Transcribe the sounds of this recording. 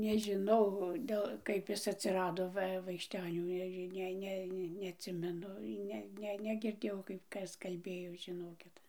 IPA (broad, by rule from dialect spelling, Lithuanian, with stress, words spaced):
nʲɛʒʲɪˈnɐʊ ˈdʲɛlˠ ˈkɐɪp ˈɪs ɐtʲsʲɪˈrɑːdoː ˈʋɐ ʋɐɪkʃʲˈtʲæːnʲuː ˈnʲæːʒʲɪ ˈnʲɛ ˈnʲɛ nʲɛɐtʲˈsʲɪmʲɛnʊ ˈnʲɛ ˈnʲɛ nʲɛɡʲɪrʲˈdʲeːjɛʊ kɐɪp ˈkɐs kɐlʲˈbʲeːjoː ʒʲɪˈnoːkʲɪt